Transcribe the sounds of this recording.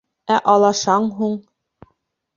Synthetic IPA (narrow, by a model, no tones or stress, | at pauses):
æʔɑlˠɑʃɑɴɦuɴ